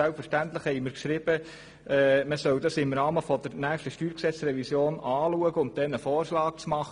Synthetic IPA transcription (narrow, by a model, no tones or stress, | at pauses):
ælpfəɾʃtænt̪lɪχhɛɪjməɾkʃɾɪb̥ə | ɛːməsœwdɑsɪmɾɑːməfɔd̪əɾnæːχʃtəʃtyːɾksɛt͡srɛvisjoːnɑːluəɡəʊnt̪̚d̥̪ɛnəfoːrʃlɑːk̚t͡smɑχə